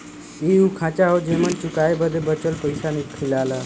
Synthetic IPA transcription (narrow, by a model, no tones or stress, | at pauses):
iukʰãt͡ɕaɦod͡ʑeməɳt͡ɕukaebəd̪ʱebət͡ɕəlpəjsanikʈʰilala